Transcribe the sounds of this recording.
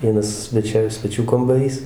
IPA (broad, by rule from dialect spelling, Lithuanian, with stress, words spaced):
ˈʋʲiɛnɐs sʲʋʲɛˈt͡ʃʲɛ sʲʋʲɛˈt͡ʃʲuː kɐmbɐˈrʲiːs